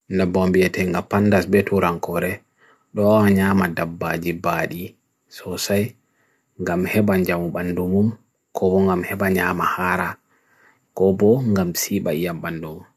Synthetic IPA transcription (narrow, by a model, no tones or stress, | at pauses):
ndɛbɔmbiɛtɛŋɡapandasbɛtʰuɾaŋkɔɾɛ | ɗɔaɲaːmadabːad͡ʒibaːɗi | sɔsaj | ŋɡamhɛɓaɲd͡ʒamuɓandumum | kʰɔbɔŋɡamhɛbaɲaːmahaːɾa | kɔbɔŋɡamsiːɓaijamɓandumum